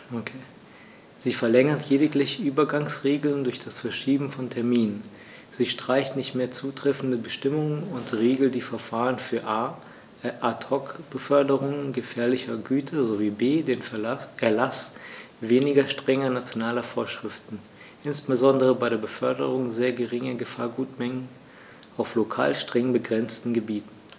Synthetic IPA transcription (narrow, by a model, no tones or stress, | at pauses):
okʰː | ziːfɛɐlɛŋɐtʰleːdɪklɪçəʔyːbɐɡaŋsʁeːɡl̩ndʊɐçd̥asfɛɐʃiːbm̩fɔntʰɛɐmiːnən | z̥iːʃtʁ̥aɪçtnɪçtmeːɐt͡suːtʁ̥ɛfn̩dəbəʃtɪmʊŋənʊntʁeːɡl̩td̥iːfɛɐfaːʁənfyːɐʔaː | ʔatʰɔkb̥əfœɐdəʁʊŋənɡəfɛːɐlɪçɐɡyːtʰɐzoviːbeːdeːnʔɛɐlas | veːnɪɡɐʃtʁ̥ɛŋɐnat͡sjonaːlɐfoːɐʃʁ̥ɪftn̩ | ʔɪnsb̥əzɔndəʁəbaɪɾeːɐbəfœɐdəʁʊŋzeːɐɡəʁɪŋɐɡəfaːɐɡuːtmɛŋən̩ | ʔaʊflokʰa̰ːlʃtʁ̥ɛŋbəɡʁɛnt͡stn̩ɡəbiːtn̩